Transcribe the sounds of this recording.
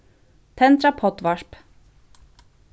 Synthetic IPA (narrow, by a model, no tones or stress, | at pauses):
t̪ʰɛnt̪ɾapʰɔt̪ʋɑʂp